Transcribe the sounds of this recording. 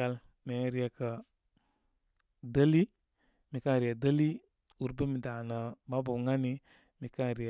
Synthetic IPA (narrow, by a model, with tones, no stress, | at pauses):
a˨l | me˨˦ɾi˦ja˨kə˨ | də˦li˦ | mi˨ka˦˨ɾi˨ja˨də˦li˦ | u˨ɾbe˦mi˨da˨nə˨ma˦bu˨ŋa˦ni˦ | mi˨ka˦ɾi˨